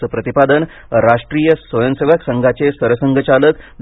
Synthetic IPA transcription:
əpɾət̪ipad̪ən | ɾaʂʈɾijəsʋəjəmseʋaksəŋɡʱat͡sesəɾəsəŋɡʱət͡ɕaləkd

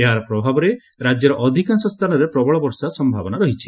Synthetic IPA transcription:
eɦaɾɔpɾɔbʱabɔɾe | ɾad͡ʒjɔɾɔʔɔd̪ʱikansɔst̪ʰanɔɾepɾɔbɔɭɔbɔɾsasɔmbʱabɔnaɾɔɦit͡ʃʰi̥

